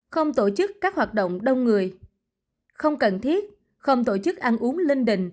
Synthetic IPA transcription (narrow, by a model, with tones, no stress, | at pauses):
xə˧wŋ͡mt̪o˧˩t͡ɕɨ˦˥kːaː˦˥k̚hwaː˨˩t̚ɗo̰˧˨wŋ͡mɗə˧wŋ͡mŋɨ˨˩əj | xə˧wŋ͡mkə˨˩nt̪ʰi˦˥ət̚ | xə˧wŋ͡mt̪o˧˩t͡ɕɨ˦˥k̚ʔa˧nʔu˨˦əŋli˧ŋɗḭ̈˧˨ŋ̟